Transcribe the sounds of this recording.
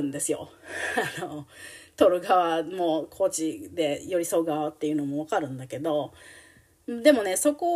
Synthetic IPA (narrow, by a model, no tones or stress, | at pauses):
ɯ̃nd̪e̞sɨjo̞̰ano̞t̪o̞ɾɯ̟ɡaβamo̞kʰo̞ːt͡ɕid̪e̞jo̞ɾʲiso̞ːɡaβat̪ːe̞jɯ̟no̞mo̞β̞akaɾɯ̟̃nd̪ake̞d̪o̞ | d̪e̞mo̞ne̞so̞ko